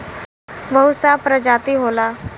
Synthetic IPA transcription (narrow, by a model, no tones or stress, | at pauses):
bəɦusapɾəd͡ʒaːt̪iɦoːlaː